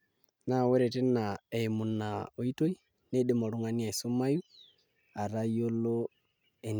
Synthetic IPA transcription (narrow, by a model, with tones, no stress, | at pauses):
na˨wɛ˦ɾɛ˨tɛ˦na˨e˨mu˨na˨o˨i˦to˦i˦ | ne˦ɗe˦mo˨ɾu˦ŋa˦ni˦a˨i˨so˦ma˦ju˦ | a˨ɾa˦jo˦lo˦ | e˨n